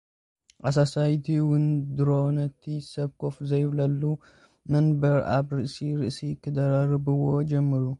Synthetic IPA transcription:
ʔas̬asajt̪ʰiwʊnd̪ɨɾonɐt̪ʰːisɐβkʰo̞fzɐjβlɐlːu | mɐnbɐɾa̰βɾɨʔsiɾɨʔsikʰɨd̪ɐɾaɾɨbɨwo̞d͡ʒɛmːɨɾu

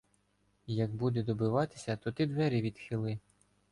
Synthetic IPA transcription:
jɐɡ̚bud̪ed̪ɔbɪʋɑt̪ɪ̥sʲɐt̪ɔt̪id̪ʋɛɾʲiʋʲid̪xʲɪlˠɪ

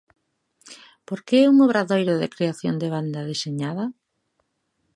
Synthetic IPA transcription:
poɾkeɛuŋoβ̞ɾaðojɾoðekɾeaθjo̰nd̪eβ̞and̪aðeseɲaðɐ

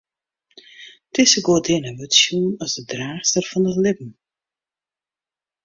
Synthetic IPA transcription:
tɪsəɡoːdɪnəʋøtsjunɔsdədraːxstərfɔnəlɪpn̩

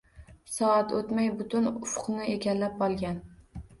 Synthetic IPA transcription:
sɒat̪ot̪majbʊt̪ʊnʊfqnɪeɡʲanlap̚bɒlˠɡʲan

